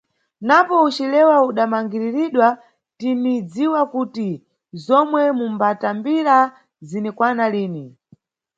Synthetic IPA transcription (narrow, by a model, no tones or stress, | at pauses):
napɔut͡ʃilɛwauɗamaŋɡiɾiɾiɗwa | tinid͡ziwakuti | zɔmwɛmumbatambiɾa | zinɛkwanaliːni